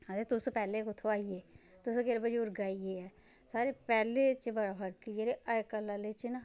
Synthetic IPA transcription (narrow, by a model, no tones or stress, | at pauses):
ɐɾet̪ʊspɛːlekʊt̪ʰoaːieː | t̪ʊskeɾbɐd͡ʒʊɾɡaːieɛ | saːɾepɛːlet͡ʃebɐɽabʱəɾkid͡ʒeɾeɐekɐlalet͡ʃina